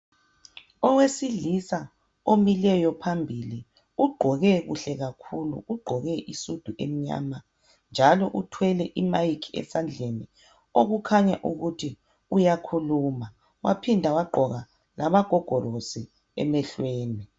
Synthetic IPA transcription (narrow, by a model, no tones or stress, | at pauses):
ɔwesiɮisa | omilɛjɔpʰambʱili | uɡ͡ǃʱɔɣɛɣṵɬɛɣakʰulṵuɡ͡ǃʱɔɣɛʔisud̥ʱuʔem̩ɲa̰ːma | nd͡ʒʱalɔʔutʰwɛlɛʔimajikʰiɛ̰sand͡ɮʱeni | oɣukʰaɲa̰ʔuɣutʰi | ujakʰuluma | wa̰pʰindʱawaɡ͡ǃʱɔɣa | laβaɡ̥ʱɔɡ̥ʱɔrosi | ɛ̰mɛɬweːni